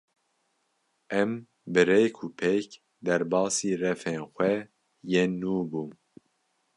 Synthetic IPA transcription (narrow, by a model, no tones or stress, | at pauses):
ʔɛm | bɨɾeːkʰupʰec | d̪ɛɾbɑːsiːrɛfeːnxʷɛ | jeːnuːbum